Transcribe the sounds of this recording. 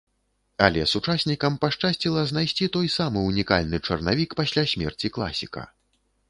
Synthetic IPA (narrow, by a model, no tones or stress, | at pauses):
ɐlʲɛsut͡ʂasʲnʲikɐmpaʂt͡ʂasʲt͡sʲilˠɐznajsʲt͡sʲit̪ɔjsamɨunʲika̰lʲnɨt͡ʂɐrna̰vʲikpasʲlʲasʲmʲɛ̰rt͡sʲiklˠa̰sʲikɐ̰